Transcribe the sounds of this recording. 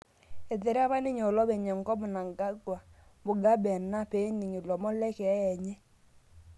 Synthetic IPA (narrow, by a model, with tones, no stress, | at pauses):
e˨ðe˨ɾa˦βa˦nɪ˦ɲo˨lɔ˦βɛ˨ɲɛ˨ŋ˨kɔ˦mʊ˨na˨ŋɡa˦ɡwa˨bʊ˨ɡa˦bɛ˨na˦pe˨˦ni˨ɲi˨lɔ˨mɔ˦lɛ˦kɛ˨a˦ɛ˨ɲɛ˦